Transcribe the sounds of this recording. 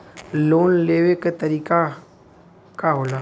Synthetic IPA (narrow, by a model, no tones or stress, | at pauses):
loːnleːʋekt̪əɾiːka | kaɦoːlaː